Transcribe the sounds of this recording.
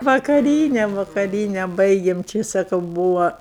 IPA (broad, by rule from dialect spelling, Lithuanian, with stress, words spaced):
ʋɐkɐˈrʲiːnʲɛ ʋɐkɐˈrʲiːnʲɛ ˈbɐɪɡʲeːm ˈt͡ʃʲɪ sɐˈkɐʊ ˈbuːʋɐ